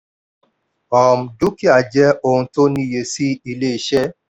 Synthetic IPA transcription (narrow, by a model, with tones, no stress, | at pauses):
ɔ˨m̩˨du˦ki˦a˨d͡ʒɛ˦ʔo˧hũ˧to˦nĩ˦˨je˨si˦i˧le˦i˨ʃɛ˦